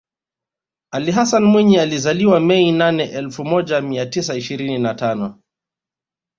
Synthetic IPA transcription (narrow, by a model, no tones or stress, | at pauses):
aliɦasanmwiɲializaliwamɛinanɛʔɛlfumɔʄamiatisaiʃiɾininatanɔ